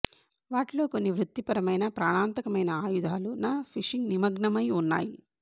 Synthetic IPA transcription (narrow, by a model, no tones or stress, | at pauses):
ʋaːʈlo̞ːko̞nːiʋɾut̪ːipɐɾɐmɐjnɐpɾaːɳaːnt̪ɐkɐmɐjnɐaːjud̪ʱaːlunaːpʰiʂiŋɡnimɐɡɳɐmɐjunːa̰ːji